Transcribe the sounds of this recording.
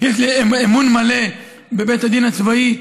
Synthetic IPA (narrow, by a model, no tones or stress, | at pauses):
jeʃlieemunmale | bebet̪ad̪inat͡svai